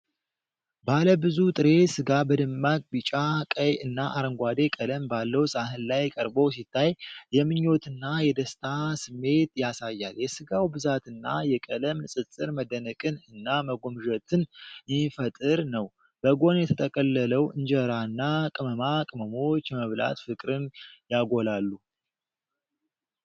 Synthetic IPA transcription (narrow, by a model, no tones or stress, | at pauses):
baləbɨzut̪ʼɨɾe̞sɨɡabəd̪ɨmːakʼbɨt͡ʃʼakʼəjɨnːaʔaɾəŋɡʷad̪e̞kʼələmbalːəwsʼaɦɨnlajkʼəɾbows̬it̪ʰːajjɛmɨɲːo̞t̪ɨnːajɛd̪əst̪ʰasɨmːe̞t̪jasajːaljɛsɨɡawbɨzat̪ɨnːa̰jɛkʼələmsʼɨt͡sʼːɨɾməd̪ənəkʼɨnɨnːaməɡo̞mɨʒət̪ʰɨnfət̪ʼɨɾnəw | b̥əɡo̞njɛt̪ʰət̪ʼʰəkʼəlːələwɨɲd͡ʒəɾanːakʼɨməmakʼɨməmo̞t͡ʃːjɛməβla̰t̪fɨkʼɾɨnjaɡo̞lalːu